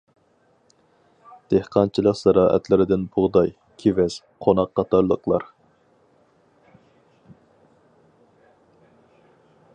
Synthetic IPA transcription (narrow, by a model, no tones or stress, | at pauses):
d̪̥ehqʰɑnt͡ʃʰilˠəqsɑɾɑːʔɛ̰t̪lɪɾɪd̪ɪnbʊʁd̪ɑj | kʲʰevɛz̥ | qʰonɑqːɑt̪ʰɑɾlˠəqlˠɑɾ